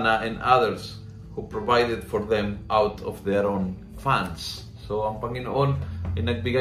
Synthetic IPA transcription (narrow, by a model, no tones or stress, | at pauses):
naʔɛ̃naðəɾs | hupɾovajd̪ed̪fɔɾðɛ̃mʔawt̪ʰɔfðɛɾõn | fãndsː | oãmpãŋĩnolinak̚biɡa